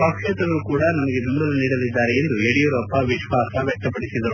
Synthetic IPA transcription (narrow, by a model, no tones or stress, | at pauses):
paːkʂɛt̪ɐɡɐlukuːɽɐnɐmɐɡe̞d̪uːɖɐluniːɽɐlid̪ːaːɾeend̪ueɽijɐɾuɐpːɐʋiʃʋaːsɐʋjɛk̚t̪ɐpɐɽisid̪ɐɾu